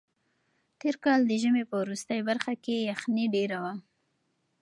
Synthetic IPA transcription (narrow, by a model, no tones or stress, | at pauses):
t̪eɾkɑld̪əʒəmepəwɾust̪əjbaɾxakejaxniɖeɾawa